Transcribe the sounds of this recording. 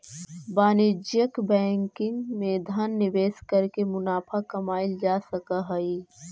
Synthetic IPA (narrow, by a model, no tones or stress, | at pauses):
baːnɪd͡ʒjəkbɛ̃ːŋkɪ̃ŋɡmẽd̪ʱanːɪʋeːskəɾkemʊnaːpʰakɐmaːɪld͡ʒaːsəkəɦəi